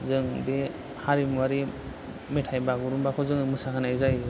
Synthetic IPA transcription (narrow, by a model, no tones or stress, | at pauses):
zɯŋbe | haɾimwaɾi | metʰajbaɡuɾumbakʰɔzɯŋmɯsakʰɯnajzaj